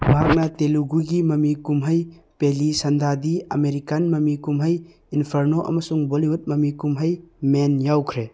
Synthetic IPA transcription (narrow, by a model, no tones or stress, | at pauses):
mɐɦak̚nɐteluɡuɡimɐmikumɦɐjpelisɐnd̪ʱadiɐ̰meɾikanmɐmikumɦəj | inpʰɐɾnoʔɐ̰mɐsuŋboliɦut̚mɐmikumɦəjmenjawkʰɾe